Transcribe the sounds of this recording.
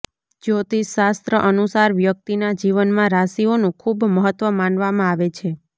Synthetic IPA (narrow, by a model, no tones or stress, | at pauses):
d͡ʒot̪iʃast̪ɾəʔənusaɾʋjək̚t̪inad͡ʒiʋənmãɾasionũkʰubməɦət̪ʋəmãnʋamãaʋet͡ʃʰe